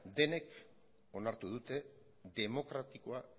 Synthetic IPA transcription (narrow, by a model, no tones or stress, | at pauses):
d̪e̞ne̞k | o̞naɾt̪uð̞ut̪e̞ | ðe̞mo̞kɾat̪iko̞a